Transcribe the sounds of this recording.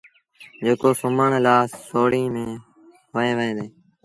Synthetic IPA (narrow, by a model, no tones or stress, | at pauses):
d͡ʒeːkoːsʊməɳlaːsːoːɽĩːmẽː | ʋəẽːʋəẽːd̪eː